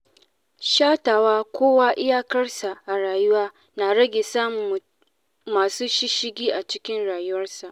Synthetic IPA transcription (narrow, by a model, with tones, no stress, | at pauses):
ʃaː˦taː˨waː˦kʷoː˦waː˦ʔɪ˦jaː˦kɐ˦rsa˨ʔa˨ɽaː˨jʊ˦waː˦ | naː˨ɽɐ˦ɡʲeː˨saː˦mʊ˨m˨ | maː˨suː˦ʃɪ˦ʃɪ˦ɡʲiː˦ʔa˨t͡ʃɪ˦kʲɪ˦nɽaː˨jʊ˦wɐ˦rsa˨ʔ